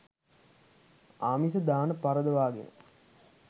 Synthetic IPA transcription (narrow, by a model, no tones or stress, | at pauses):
aːmis̬əd̪aːnəpaɾəd̪əʋaːɡḛnə̰